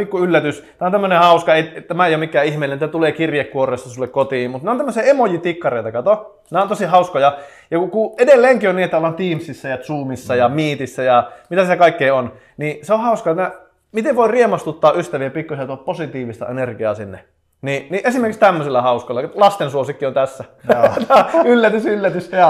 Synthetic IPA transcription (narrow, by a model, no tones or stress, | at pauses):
pikːuylːæt̪yst̪æont̪æmːønehɑuskɑeit̪æmæejomikːæːihmeˑilenit̪æt̪uleːkirjekkuorˑeːst̪ɑsulːekkot̪iːmmut̪neont̪æmːøsiɑemojit̪ikːɑreit̪ɑkɑt̪o | neont̪osihɑuskojɑ | jɑkukuedelːeːŋkionniːet̪ːæolːɑnt̪iːmsisːæjɑt̪suːmisːɑjɑmiːt̪isːæjɑmit̪æsiækɑikːeion | niseohɑuskɑet̪næ | mit̪eʋʋoiriemɑst̪ut̪ːɑːʔyst̪æʋiepikːusiæt̪uɑpposit̪iːʋist̪ɑ̰enerɡiɑ̰ːsinːḛ | niniʔesimerkikst̪æmːøsilːɑhɑuskolːɑlɑst̪ensuosikːiont̪æsːæ | t̪ɑylːæt̪ysylːæt̪yst̪æɑ